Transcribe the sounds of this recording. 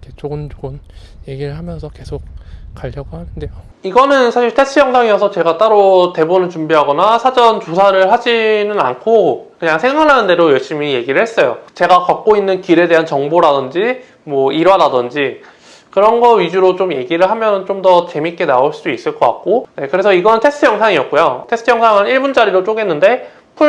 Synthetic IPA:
kʰet͡ɕoɡɯnd͡ʑoɡɯnje̞ɡiɾɯɭɦamjʌnsʰʌke̞sʰok̚k͈aʎːʌɡohanɯndejo | iɡʌnɯnsʰaɕiɭtʰes͈ʰɯjʌŋsʰaŋiʌsʰʌt͡ɕe̞ɡat͈aɾote̞bonɯɭt͡ɕumbiɦaɡʌnasʰad͡ʑʌnt͡ɕosʰaɾɯɭhad͡ʑinɯna̰nkʰokɯɲaŋsʰeŋaɭɦanɯnde̞ɾojʌɭɕ͈imije̞ɡiɾɯɭhes͈ʌjo̰t͡ɕe̞ɡakak̚k͈oinːɯnkiɾe̞de̞ɦant͡ɕʌŋboɾadɯnd͡ʑi | mwʌiɾwadadɯnd͡ʑi | kɯɾʌnɡʌɥid͡ʑuɾot͡ɕomje̞ɡiɾɯɭɦamjʌnɯnt͡ɕomdʌt͡ɕe̞mik͈e̞naoɭs͈uduis͈ɯɭk͈ʌka̰k̚k͈one̞kɯɾe̞sʰʌiɡʌnɯntʰes͈ʰɯjʌŋsʰaŋiʌt̚k͈ojotʰe̞s͈ʰɯjʌŋsʰaŋɯniɭbund͡ʑaɾiɾot͡ɕ͈oɡe̞nːɯnde̞ | pʰu

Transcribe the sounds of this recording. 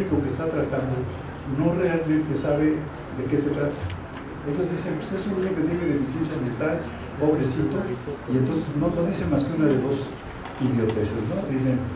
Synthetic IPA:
iko̞kest̪at̪ɾat̪and̪o̞ | no̞re̞almẽnt̪e̞saβ̞e̞ | ðe̞ke̞se̞t̪ɾat̪ḁ | e̞ʝo̞zðise̞npwe̥sesununioket̪jeneðefisje̞ns̬jamjent̪al | oβɾesit̪o̞ient̪o̞nseznokond̪isenmaskeunaðe̞βo̞s | iðjo̞t̪esezno̞d̪is̬en

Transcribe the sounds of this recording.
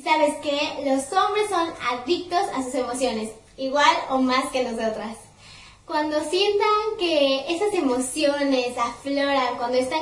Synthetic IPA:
saβe̞skelo̞so̞mbɾe̞sːo̞na̰ðik̚t̪o̞sasuse̞mo̞sjo̞ne̞s | iɣwalo̞maskenoso̞t̪ɾas | kwand̪o̞sje̞nt̪aŋkeesase̞mo̞sjo̞nesaflo̞ɾaŋkwand̪oest̪a

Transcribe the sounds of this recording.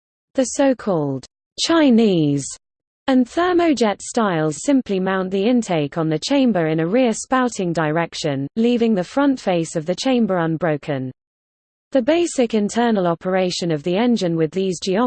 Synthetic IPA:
ðəsəʊkʰɔːlˠd̥ | t͡ʃʰaɪ̃niːz̥ | ə̃nθɜːməʊd͡ʒɛtstaɪlˠz̥sɪ̃mpʰlimãʊ̃nʔðiɪ̃ntʰeɪkn̩ðət͡ʃʰẽɪ̃mbəɹɪ̃nəɹɪəspaʊtʰɪ̃ŋdəɹɛkʃə̃nliːvɪ̃ŋðəfɹʌ̃ntfeɪsəvðət͡ʃʰẽɪ̃mbəɹʌ̃nbɹəʊkʰə̃n | ðəbeɪsɪkɪ̃ntʰɜːnəlɒpʰəɹeɪʃə̃nəvðiɛ̃nd͡ʒɪ̃nwɪðiːzd͡ʒiɑ

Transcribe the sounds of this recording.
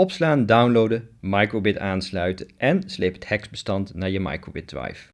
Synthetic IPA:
ɔpslaːndawnlowdəmɑjkɹobɪtaːnslœɥtəʔɛnslejpə̥thɛksbəstɑntnaːɹjəmɑ̰jkɹo̰bɪt̚dʋa̰jf

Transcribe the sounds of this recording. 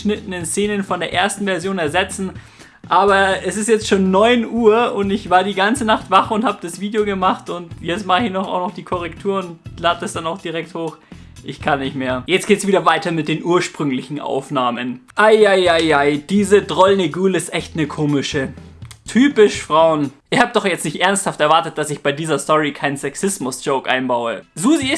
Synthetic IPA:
ʃnɪtn̩ɪnst͡seːnənfɔndeːɐʔeːɐstn̩vɛɐzjoːnɛɐzɛt͡sn̩ | ʔaːbɐɛsɪstjɛt͡stʃoːnːɔʏnʔuːɐʊntɪçv̥aːɐdiːɡant͡sənaχtv̥aχʊnthaːbəd̥asv̥iːdjoɡəmaχtʊntjɛt͡stmaχçnɔχa̰ʊxnɔχd̥iːkʰɔʁɛktʰuːɐʊntlaːd̚d̥asd̥anaʊxd̥iʁɛk̚thoːx | ʔɪçkʰanːɪçtmeːɐjɛt͡stɡ̥eːtəsv̥iːdɐvaɪtɐmɪt̚d̥eːnʔuːɐʃpʁ̥ʏŋlɪçn̩ʔa̰ʊfnaːmənʔaɪʔaɪʔaɪʔaɪd̥iːzədʁɔlneɡuːlɪstʔɛçtnəkʰoːmɪʃə | tʰyːpɪʃfʁ̥aʊnʔɪɐhaːbədɔχjɛt͡stnɪçtʔɛɐnsthaftɛɐvaɐtət̚d̥asɪçb̥aɪdiːzɐstɔʁikʰaɪnənsɛksɪsmʊsd͡ʒ̥oʊkʔa̰ɪnbaʊəzuːziɪ

